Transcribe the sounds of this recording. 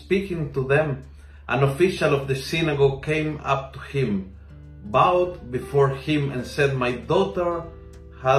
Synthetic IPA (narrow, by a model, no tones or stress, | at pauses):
spikɪ̃ŋt̪uðɛ̃m | ʔã̰nofiʃalɔvd̪əsinaɡokẽɪ̃ma̰p̚t̪uhɪ̃m | bawt̪̚bifɔɹhɪ̃mɛ̰̃nsɛd̪̚majd̪ɔtə˞ | ha